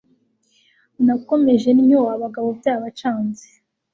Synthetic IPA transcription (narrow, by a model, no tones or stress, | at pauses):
nako̞me̞ʒe̞nɲowaβaɡaβobjaːβat͡ʃaːnze̥